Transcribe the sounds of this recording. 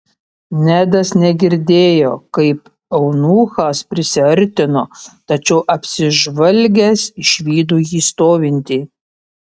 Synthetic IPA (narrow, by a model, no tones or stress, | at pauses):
nʲæd̪ɐsnʲɛɡʲɪɾʲd̪ʲeːjoːkɐɪp | ɐʊnuːxɑspʲɾʲɪsʲɪɐɾʲt̪ʲɪnoːt̪ɐt͡ʃʲɛʊʔɐpʲsʲɪʒʋɐlʲɡʲɛsɪʃʲʋʲiːd̪uːjiːst̪oːʋʲɪnʲt̪ʲiː